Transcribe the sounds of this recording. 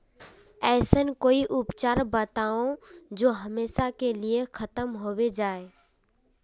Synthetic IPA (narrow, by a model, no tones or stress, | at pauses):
ɛːsənkoːiʔʊpt͡ʃaːɾbət̪aːõd͡ʒoːɦəmeːʃakeliekʰət̪əmɦoːwed͡ʒaːe